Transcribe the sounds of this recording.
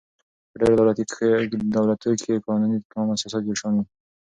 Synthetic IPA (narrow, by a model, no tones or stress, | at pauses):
pəɖeɾd̪awlat̪d̪awlat̪ujokʰekɑnunikɑmasɑsat̪̚d͡ʒoʃɑni